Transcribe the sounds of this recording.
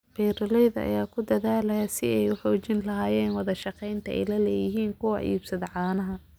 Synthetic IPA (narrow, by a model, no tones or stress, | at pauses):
bɛːɾɐlɛjðɐɐ̰jaːkʰʊd̪ɐðaːlɐjasɪɛjʊħɔːt͡ʃɪnlɐɦaːjɛːnwɑðɐʃɑqɛjnt̪ʰɐɛ̰jlɐlɛːjɪɦiːŋkʰʊwɑ̰ʔḭːbsɐðɐʕɑːnɐɦɐ